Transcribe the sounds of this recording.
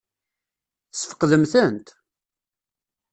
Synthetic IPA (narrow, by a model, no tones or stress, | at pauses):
θsfə̥qːðəmθənt̪